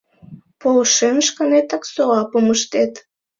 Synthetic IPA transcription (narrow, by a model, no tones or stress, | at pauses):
polʃenʃkɑnet̪ɑksoɑpəməʃt̪et̪